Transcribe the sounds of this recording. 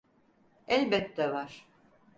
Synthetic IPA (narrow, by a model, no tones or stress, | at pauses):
ɛlʲbɛt̪ːɛvaɾ̥